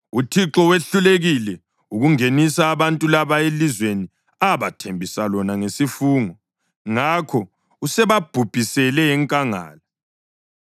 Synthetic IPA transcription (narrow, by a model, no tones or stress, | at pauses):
utʰiǁɔweɬuleɣilɛ | uɣuŋenisaːβantʼulaβaelizweni | aβatʰembʱisalɔnaŋesifuːŋɔ | ŋakʰɔ | usɛβab̥ʱub̥ʱisɛlɛjɛŋkʼaŋa̰ːla